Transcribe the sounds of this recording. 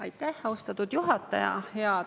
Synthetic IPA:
ɑjt̪ːˑæhɑost̪ɑt̪ːˑud̪̥juɦɑt̪ːˑɑ̰jɑ̰heɑ

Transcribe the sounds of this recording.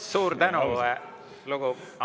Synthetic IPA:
suːɾt̪ænuɛ | luɡ̥u

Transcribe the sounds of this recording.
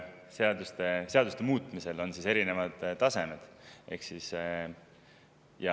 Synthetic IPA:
seɑd̪ust̪e̞se̞ɑd̪ust̪e̞muːt̪ːˑmise̞lo̞nsise̞ɾine̞vɑd̪̥ːɑse̞med̪̥ʔe̞̰hksis | jɑ

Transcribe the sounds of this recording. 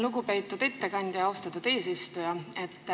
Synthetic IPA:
luɡupe̞jt̪ːˑud̪̥et̪ːe̞kɑnʲd̪̥jɑɑwst̪ɑt̪ːˑud̪e̞ːsist̪ujɑe̞t̪ːˑ

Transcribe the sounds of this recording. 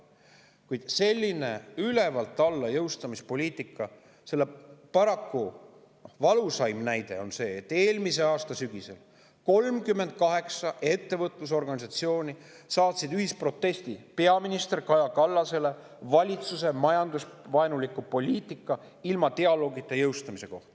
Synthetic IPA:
kujd̪̥se̞lʲːine̞yle̞vɑlt̪ːˑɑlːɑjɤwst̪ɑmispo̞lʲiːt̪ːˑikːˑɑ | se̞lːepɑɾɑkːu | vɑlusɑjmnæjd̪̥e̞̰o̞nse̞ːt̪ːe̞ːlmise̞ɑːst̪ɑsyɡ̥ise̞l | ko̞lmkymːe̞nd̪̥̚kɑɦe̞ksɑʔe̞t̪ːe̞vɤt̪ːˑlus̬o̞rɡɑnʲis̬ɑt̪sio̞ːnʲi | sɑːt̪sid̪yɦispro̞t̪ːˑe̞sʲt̪ipe̞ɑminist̪e̞rkɑjɑkɑlːɑse̞le̞ | vɑlʲit̪suse̞mɑjɑnd̪usvɑenulikːupo̞lʲiːt̪ːˑikːˑɑ | ilmɑt̪eɑlo̞ːɡit̪ˑːe̞jɤwst̪ɑmise̞ko̞ht̪ɑ̥

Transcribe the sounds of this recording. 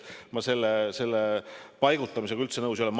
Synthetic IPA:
mɑse̞lːese̞lːepɑjɡ̥ut̪ːˑɑmisekylt̪senɤwsjo̞lɛm

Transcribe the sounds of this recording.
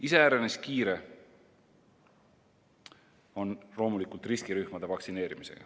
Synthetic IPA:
ise̞æːɾeneskiːɾe̞ | o̞nlo̞ːmulikˑult̪riskiɾyhmɑd̪̥e̞vɑksine̞ːɾimise̞̰ɡ̥ɑ̰

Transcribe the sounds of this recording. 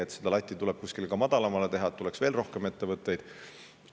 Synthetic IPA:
et̪sed̪ɑlɑt̪ʲːˑit̪uleb̥̚kuskilkɑmɑd̪̥ɑlɑmɑle̞t̪e̞ɦɑt̪ule̞ksv̥e̞ːlro̞hkeme̞t̪ːe̞vɤt̪ːˑe̞jd̪̥

